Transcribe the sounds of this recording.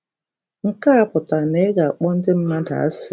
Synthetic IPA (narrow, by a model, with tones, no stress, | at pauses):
ŋ̩˨ka˦a˦pʊ˨ta˨ne˨˦ɡa˨a˨k͡pɔ˦n̩˦dɪ˦m̩˦ma˦da̰˨a̰˦sɪ˨